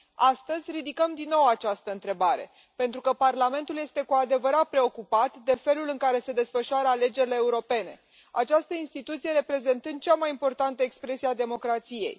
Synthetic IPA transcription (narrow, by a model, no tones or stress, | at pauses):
ast̪əzʲrid̪ikəmd̪inːo̞wat͡ʃast̪əɨnt̪ɾe̞baɾe̞̰ | pe̞nt̪ɾukəparlame̞nt̪ulje̞st̪e̞kuad̪e̞vəɾat̪̚pɾe̞o̞kupat̪d̪e̞fe̞lulɨŋkaɾe̞se̞d̪e̞sfəʃuaɾəale̞d͡ʒe̞ɾile̞ːuɾo̞pe̞ne̞̰ | a̰t͡ʃast̪əinst̪it̪ut̪sije̞ɾe̞pɾe̞ze̞nt̪ɨnd̪̚t͡ʃamajimpo̞rt̪ant̪əekspɾe̞siad̪e̞mo̞kɾat̪sije̞̰j